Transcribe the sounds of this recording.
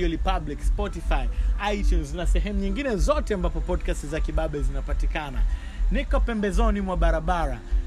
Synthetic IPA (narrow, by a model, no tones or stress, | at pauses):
ɔlipablikspɔtifaiajtjunznasɛɦɛmuɲiŋɡinɛzɔtɛambapɔpɔdkastizakiɓaɓɛzinapatikana̰ | nikɔpɛmbɛzɔnimwaɓaɾaɓaɾa